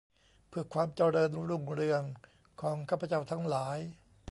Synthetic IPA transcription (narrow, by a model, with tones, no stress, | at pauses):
pʰɯ˥˩əkʰwaː˧mt͡ɕɔː˧˩ɾɤː˧nɾu˧˩ŋɾɯ˧əŋ | kʰɔː˩˦ŋkʰaː˥˩pʰa˧t͡ɕa˥˩wt̪ʰa˦˥ŋlaː˩˦j